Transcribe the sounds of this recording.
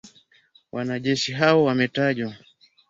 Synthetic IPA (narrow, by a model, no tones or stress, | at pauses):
wʔanaʄɛʃiɦawɔwamɛtaʄwa